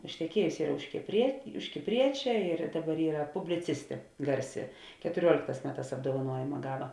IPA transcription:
ɪʃʲtʲɛˈkʲiɛjʊsʲɪ ˈiːrɐ ʊʃ kʲɪpʲrʲiɛ ʊʃ kʲɪpʲˈrʲiɛt͡ʃʲɛ ɪr ˈdɑːˌbɐr ˈiːrɐ pʊbʲlʲɪˈt͡sʲɪsʲtʲeː ˈɡɐrʲˌsʲɪ kʲɛtʊˈrʲuɔlʲeːkˌtɑːs ˈmʲæːˌtɑːs ɐbdoːʋɐˈnuɔjɪmɐ ˈɡɑːˌʋɐ

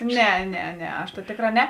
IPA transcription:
ˈnʲɛ ˈnʲɛ ˈnʲɛ ɐʃ tɐ ˈtʲeːkˌrɑː ˈnʲɛ

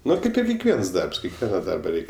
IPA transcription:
ˈnʊ ˈkɐɪp ɪr kʲɛkˈʋʲiɛns ˈdɐrps kʲɛkˈʋʲiɛnɐ ˈdɐrbɐ ˈrʲɛɪkʲ

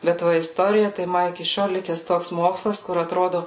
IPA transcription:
bʲɛt ˈʋɐ ɪsˈtoːrʲɪjɛ tɐɪ ˈmɐ ɪkʲɪ ˈʃʲoːlˠ ˈlʲɪkʲɛs ˈtoːks ˈmoːkslˠɐs kʊr ɐtˈroːdʊ

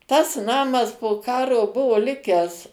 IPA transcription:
tɐs ˈnɑːmɐs poː ˈkɑːroː ˈbʊʋoː ˈlʲɪkʲæːs

